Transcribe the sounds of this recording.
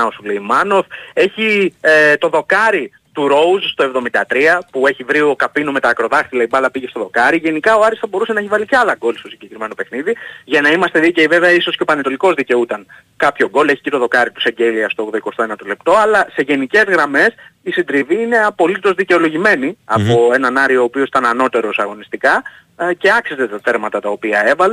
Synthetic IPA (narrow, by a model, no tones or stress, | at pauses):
osuleimɐno̞ve̞çit̪o̞ðo̞kɐɾi | t̪uɾo̞uzst̪o̞evðo̞mind̪ɐt̪ɾiɐpue̞çivɾio̞kɐpinome̞t̪ɐːkɾo̞ðɐxt̪ilɐibɐlɐpiʝe̞st̪o̞ðo̞kɐɾiʝe̞nikɐo̞ɐɾisθɐbo̞ɾuse̞nɐçivɐliceɐlɐɡo̞lst̪o̞siɲɟe̞kɾime̞no̞pe̞xniðiʝɐnɐimɐst̪eðice̞ive̞veɐiso̞sceopɐnet̪o̞liko̞zðice̞out̪ɐn | kɐpço̞ɡo̞le̞çicet̪o̞ðo̞kɐɾit̪u̥se̞ɟeliɐst̪o̞ɣðoiko̞st̪oenɐt̪ole̞pt̪o̞ɐlɐse̞ʝe̞nice̞zɣɾɐme̞sisind̪ɾiviine̞ɐpo̞lit̪o̞zðice̞o̞lo̞ʝime̞niɐpo̞e̞nɐnɐɾio̞ːpio̞si̥t̪ɐnɐno̞t̪e̞ɾo̞sɐɣo̞nist̪ikɐ | ce̞ɐksizet̪ɐθe̞ɾmɐt̪ɐt̪ɐo̞piɐe̞vɐle